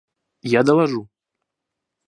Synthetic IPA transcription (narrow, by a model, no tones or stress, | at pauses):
jad̪alaʐu